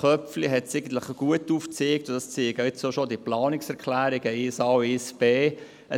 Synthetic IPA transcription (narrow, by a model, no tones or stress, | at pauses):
χœpfliɦɛtsɛɪɡən̩t̪ləχəɡ̥uətːuːft͡seːktʊd̥ɑst͡seːɪɡəɪt͡soʃodiplɑːnɪksɛʁkʰlæːɾɪɡəɪsɑːɪsb̥eː | ə